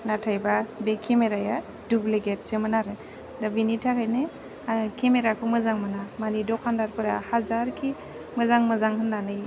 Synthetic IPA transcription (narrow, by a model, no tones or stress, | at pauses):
natʰajbabekʰemeɾaja | dubleɡetsemɯnaɾɯ | dabinitʰakʰajnɯ | akemeɾakʰɯmɯzaŋmɯnamanidɔkʰandaɾpɯɾahazaɾkʰi | mɯzaŋmɯzaŋhʰɯnːanɯj